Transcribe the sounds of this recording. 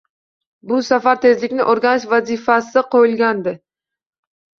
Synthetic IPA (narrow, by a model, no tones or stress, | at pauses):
bʊsafaɾt̪ʰe̞zlɪkʲnɪʔoɾɡʲanɪʃvazifasɪqʰojɪlɡʲand̪ɪ